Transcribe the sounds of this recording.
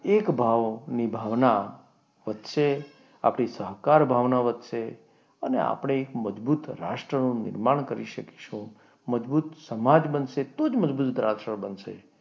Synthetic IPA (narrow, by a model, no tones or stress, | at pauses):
ekbʱaʋnibʱaʋna | ʋət̪ʃe | a̰pɳ̃isəɦkaɾbʱaʋnaʋət̪ʃe | ənḛa̰pɽ̃eːkməd͡ʒbut̪ɾa̰ʃʈɾənũnɪ̰ɾmaɳ̃kəɾḭʃəke̥ʃũ | məd͡ʒbut̪səmad͡ʒbənʃet̪od͡ʒməd͡ʒbut̪d̪ɾaʃəbənʃḛ